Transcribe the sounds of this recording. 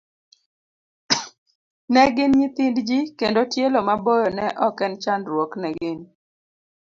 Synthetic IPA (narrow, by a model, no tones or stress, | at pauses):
nɛɡɪnɲit̪ɪndd͡ʒikendotjelomabojonɛʔɔkɛnt͡ʃandɾwoknɛɡɪn